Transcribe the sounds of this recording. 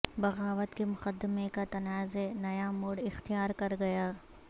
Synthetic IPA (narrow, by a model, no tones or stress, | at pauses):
bɐɣaːʋət̪kemʊqəd̪ːɪmekat̪ɐnaːzenɐjamoːɽɪxt̪ijaːɾkɐɾɡɐjaː